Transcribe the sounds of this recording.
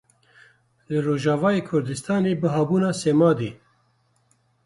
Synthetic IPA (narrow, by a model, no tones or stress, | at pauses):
lɨɾoːʒaːvaːjeːkʰʊɾd̪ɨst̪ʰɑːneːbɨɦɑːbuːnaːseːmɑːd̪eː